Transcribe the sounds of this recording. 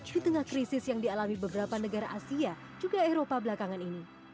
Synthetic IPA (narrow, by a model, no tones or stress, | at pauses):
dit̪əŋahkɾisɪsjaŋdialamibəbəɾapanəɡaɾaʔasia | d͡ʒuɡaeɾopablakaŋanini